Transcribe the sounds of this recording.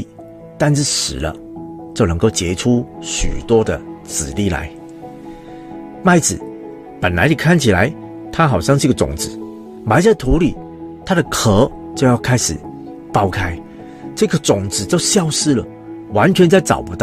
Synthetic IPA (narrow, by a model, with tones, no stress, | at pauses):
t̪a˥˧nʂ̬ɻ̩˥˩ʂɻ̩̰˨˩lə̰˦ | t͡ɕjo˥˩ʊnə˧˥ŋko˥˩ʊt͡ɕjɛ˧˥ʈ͡ʂʰu˥ɕy̰˨˩t̪wɔ˥d̪ə˨t͡sɹ̩˨˩li˥˩la̰˧˥ɪ | ma˥˧˩ɪt͡sɹ̩˨˩˦ | pə˨˩nla˧˥ɪni˨˩kʰa˥˩nt͡ɕʰi˨˩la˧˦ɪ | t̪ʰa˥xɑ˨˩ʊɕjɑ˥˧ŋʂ̩˥˧˥ɡə˨˩t͡sʊ̰˨˩ŋt͡sɹ̩˨˩˦ | ma˧˥ɪt͡sa˥˩ɪt̪ʰu˧˥li˨˩˦ | t̪ʰa˥ɾə˨kʰɤ˧˥ | t͡ɕjo˥˧ʊjɑ˥˩ʊkʰa˥ɪʂɻ̩˨˩ | pɑ˥ʊkʰa˥ɪ | ʈ͡ʂɤ˥˧˩ɡə˩t͡sʊ˨˩ŋt͡sɹ̩˨˩t͡ɕjo˥˧ʊɕjɑ˥˧ʊʂɻ̩˥˩lə˩ | wa˧˥nt͡ɕʰɥɛ˧˥nt͡sa˥˩ɪt͡sɑ̰˨˩ʊpu˧˦t̪ɑ˥˩